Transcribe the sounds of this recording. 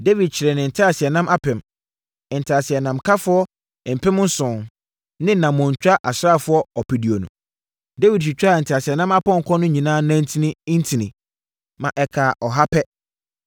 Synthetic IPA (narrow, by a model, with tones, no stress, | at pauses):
de˦vi˨d̚t͡ɕʰɪ˨ɾɛ˨nɪ̃˨n̩˨tʰa˦a˨sɪ˨ɛ˨nã˦mʔa˦pʰɛ̃˨m˨ | n̩˨tʰɪ˨a˨sɪ˨ɛ˨nã˨mkʰa˦fʊ˦ɔ˦˨ | m̩˨pʰɪ̃˦m˦n̩˦sʊ̃˨n | nɪ̃˦nã˨mʊ̃˨ɲ˨t͡ɕᶣa˦ʔa˨sɾa˦˨fʊ˦ɔ˦ɔ˨pʰi˨di˨o˨nũ˨ | de˦vi˨d̚ɕi˨t͡ɕᶣa˦˨n̩˨tʰɪ˨a˨sɪ˨ɛ˨nã˦ma˦pɔ̃˦ŋ̩˨kʰɔ̃˦nʊ̃˦ɲĩ˨nãː˦nã˦n̩˦tʰĩ˦nɪ̃˦n̩˦tʰĩ˨nɪ̃˨ | mã˨ʔɛ˨kʰaː˨ʔɔ˨ɦa˦pʰɛ˦